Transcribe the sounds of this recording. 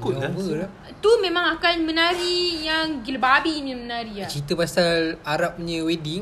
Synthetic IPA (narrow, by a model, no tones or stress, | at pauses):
kubəla | t̪umẽmãŋakanmə̃naɾijaŋɡilbabinimənaɾiat͡ʃit̪əpasalaɾap̚ɲəwediŋ